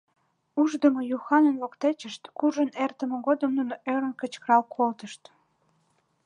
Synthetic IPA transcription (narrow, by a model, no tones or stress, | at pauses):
uʒd̪əmojuxɑnənlokt̪et͡ɕəʃt̪kuʒənert̪əmə̆ɣod̪əmnunoʔøɾənkə̆t͡ɕkrɑlkʰolt̪əʃt̪